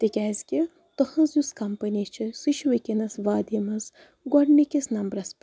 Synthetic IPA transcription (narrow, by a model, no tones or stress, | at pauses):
t̪ikʲaːzʲkʲi | t̪ɐhɐ̃nzjuskɐmpɐnit͡ʃʰɐsɨʃʋɐkʲinɐsʋaːd̪imɐz | ɡwɐɖmikʲisnɐmbɾɐsp